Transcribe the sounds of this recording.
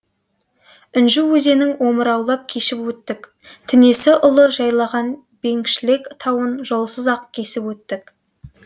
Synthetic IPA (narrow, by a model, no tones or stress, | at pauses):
ʏnʒuwɵze̞nɪŋwo̞məɾɑwlˠɑp̚kʲʰe̞ʃɪpwɵt̪ːɪk | t̪ʰɪne̞sɪʔʊlˠəʒɑjlˠɑʁɑn | b̥e̞ŋkʃɪlɪkt̪ʰɑwənʒo̞lˠsəzɑqkʲʰe̞sɪpwɵt̪ːɪk